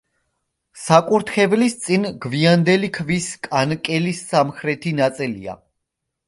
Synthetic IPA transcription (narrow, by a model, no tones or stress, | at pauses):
sakʼuɾt̪ʰχɛvlist̪sʼinɡviand̪ɛlikʰviskʼankʼɛlisːamχɾɛt̪ʰinat̪sʼilḭa̰